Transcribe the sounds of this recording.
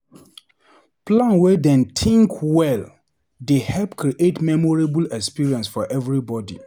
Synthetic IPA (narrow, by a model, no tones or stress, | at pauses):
pʰlãnwɛdɛ̃ntʰĩŋkʰwɛl | dehɛlpkɾiʔetmɛmɔɹebulɛkspiɹiɛ̃nsfɔʔɛvɹibɔdḭ